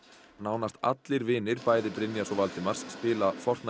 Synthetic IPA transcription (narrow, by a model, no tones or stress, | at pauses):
naːwnast̪a̰t̪lɪɾvɪːnɪɾpaːjðɪpɾɪnjasɔvalt̪ɪmaɾ̥sːpɪːlafɔr̥t̪na